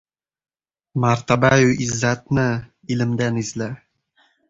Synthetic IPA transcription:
maɾt̪abajuʔizːat̪̚nɪ | ilɘ̆md̪ænizlæ

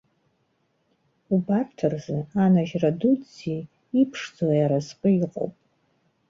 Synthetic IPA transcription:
ubartʰɨrzɨanaʒradudzi | ipʰʂd͡zalajaɾazqʼɨiqʼo̰wpʼ

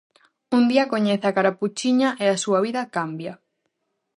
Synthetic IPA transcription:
und̪iɐkoɲeθakaɾaput͡ʃiɲaʔeasuaβ̞iðɐkambja

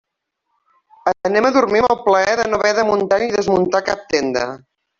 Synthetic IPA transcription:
ənɛməðuɾmiməlˠpləɛðənoβɛðəmunt̪aɲiðəzmunt̪akap̚t̪end̪ə̰

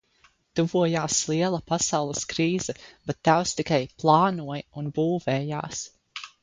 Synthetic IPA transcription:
t̪uvuɔjaːslˠiɛlˠɐpasawlˠəskɾiːz̥ɛb̥ɛt̪ːawst̪ikajplˠɑːnuɔjunbuːvɛːja̰ːs

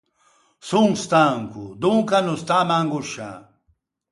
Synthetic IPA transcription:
suŋst̪aŋkṵd̪uŋkanust̪amaŋɡuʃa̰

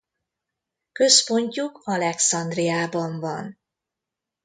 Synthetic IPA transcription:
kø̞spo̞ɲcukɒlɛksɒnd̪rijaːbɒɱvɒn

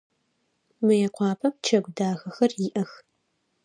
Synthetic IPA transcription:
mɨjɛqʷɑːpʰɐp̚t͡ʃʰɐɡʷdaːɣɐxɐrjɪʔɐx

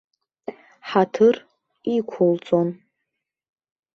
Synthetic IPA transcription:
ħatʰɨr | ikʷʰʊlt͡sʼon

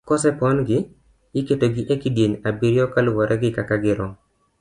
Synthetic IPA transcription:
kɔsɛpɔnɡɪ | ɪketoɡɪʔekidjeɲabiɾjɔkalwɔɾɛɡɪkakaɡɪɾɔ

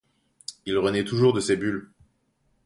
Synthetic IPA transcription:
ilʁənɛt̪uʒuʁd̪əsebyl

